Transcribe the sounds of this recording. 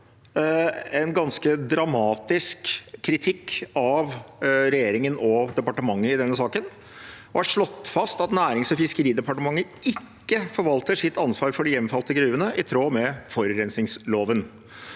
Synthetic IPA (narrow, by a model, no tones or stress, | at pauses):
ɛnɡɑnskəd̪ɾɑmɑːt̪ɪskʰːɾɪt̪ʰɪkːɑʋɾɛjeːɾɪŋənʔɔd̪ɛpɑʈəmɑŋːəɪd̪ɛnːəsɑːkən | ɔhæʂɭɔt̪ːfɑst̪ɑt̪næːɾɪŋsɔfɪskəɾiːd̪ɛpɑʈəmɑŋːəɪkːəfɔɾʋɑlt̪əʂɪt̪ʰːɑnsʋɑːɾfɔɖɪjɛmːfɑlt̪əɡɾʉːʋənəʔɪt̪ʰɾoːmɛfɔɾɾɛnsnɪŋsloːʋən